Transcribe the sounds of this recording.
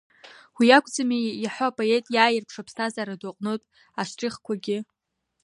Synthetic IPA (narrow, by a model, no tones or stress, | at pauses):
wijakʷʼd͡zamijaħʷaapʼo̞e̞tʼjaːjɪrpʰʂapʰstʰazaɾadaqʼnotʼ | aʂʷʈ͡ʂʼɪχkʷʰaɡʲɪ